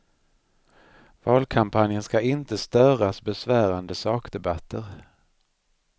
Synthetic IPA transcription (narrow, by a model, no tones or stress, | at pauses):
vɑːlkʰampʰanjənskaɪnt̪əst̪œːɾasbɛsvæːɾand̪əsɑːkd̪ɛbat̪ʰːəɾ